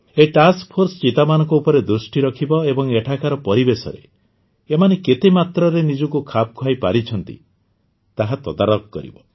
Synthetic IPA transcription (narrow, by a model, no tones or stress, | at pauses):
eʈaskpʰoɾsɔt͡ʃit̪amanɔ̃ŋkɔupɔɾed̪ɾusʈiɾɔkʰibɔebɔŋeʈʰakaɾɔpɔɾibesɔ̰ɾḛ | emaneket̪emat̪ɾɔɾenid͡ʒɔkukʰap̚kʰwajpaɾit͡ʃʰɔnt̪ḭ | t̪aɦat̪ɔd̪aɾɔkɔkɔɾḭbɔ